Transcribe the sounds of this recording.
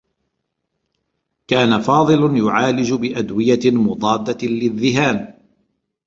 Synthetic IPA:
kaːnafɑːðˤɨlʊnjʊʕaːlɪd͡ʒbɪʔad̪wɪjamʊd̪ˤɑːd̪ːalɪðːɪɦaːn

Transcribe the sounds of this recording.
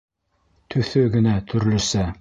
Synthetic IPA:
t̪ʰɵ̆θɵɡɘ̆næt̪ʰɵ̆ɾlɵ̆sæ

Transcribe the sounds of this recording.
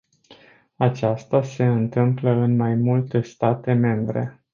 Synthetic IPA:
at͡ʃast̪ase̞ɨnt̪ɨmpləɨnmajmult̪e̞st̪at̪e̞me̞mbɾe̞̰

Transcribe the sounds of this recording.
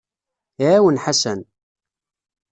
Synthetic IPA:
awənħasæn

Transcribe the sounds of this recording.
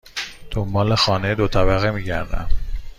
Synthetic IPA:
d̪̥ombɒːle̞xɒːned̪ot̪ʰæbæɣemiːɟæɾd̪æ̰m

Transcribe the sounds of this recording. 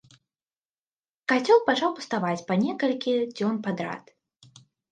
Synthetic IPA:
kat͡sʲɔlˠpat͡ʂawpu̥st̪avat͡sʲpanʲɛkɐlʲkʲid͡zʲɔnpad̪ɾa̰t̪

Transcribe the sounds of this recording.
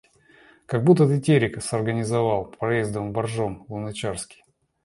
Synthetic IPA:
kɐɡ̚but̪ːət̪ɨtʲeɾʲɪkəsɐrɡənʲɪzɐvalˠppɾɐjezd̪əvbɐrʐomvˠʊnɐt͡ɕarskʲɪ̥

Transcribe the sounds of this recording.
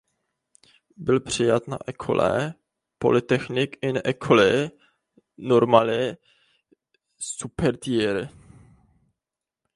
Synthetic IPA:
bɪlpr̝̥ɪjat̪na̰ʔɛkʰo̰lɛ̰ | po̞̰lɪt̪ɛxnɪkɪnɛʔɛkʰolɪ | noɾmalɪ | supɛɾt̪iɾ

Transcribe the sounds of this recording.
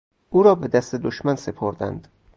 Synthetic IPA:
ʔuːɾɒːbe̞d̪æst̪ed̪oʃmænse̞pʰoɾd̪æ̰nd̪̥

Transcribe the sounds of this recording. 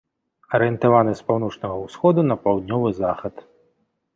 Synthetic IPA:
ɐɾɨjɛnt̪avanɨspawnɔt͡ʂnɐɣɐwsxɔd̪unɐpawd̪̚ʲnʲɔvɨzaxɐt̪

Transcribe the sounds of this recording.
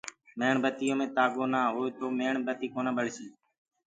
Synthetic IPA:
meːɳbət̪ɪjõːmẽːt̪aːɠoːnaːɦoːeːt̪oːmeːɳbət̪iːkoːnãːɓəɭsiː

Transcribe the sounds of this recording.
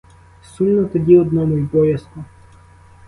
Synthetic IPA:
sumnɔt̪ɔdʲiɔd̪nɔmɔjbɔjɐskɔ

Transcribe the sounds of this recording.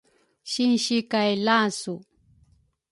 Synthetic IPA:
ʃɪnʃɪkajlasʊ

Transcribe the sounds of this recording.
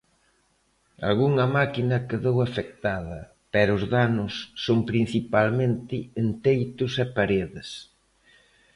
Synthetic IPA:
a̰lɣuŋɐmakinɐkeðowafek̚t̪aðɐ | pɛɾʊzðanʊsːoŋpɾin̟θipalmẽnt̪ɪːnt̪ejt̪ʊsɛpaɾeðɪs

